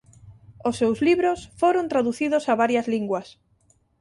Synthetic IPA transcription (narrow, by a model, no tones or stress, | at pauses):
ʊsːewzliβɾosfoɾõnt̪ɾaðuθiðosaβaɾjɐzliŋɡwɐs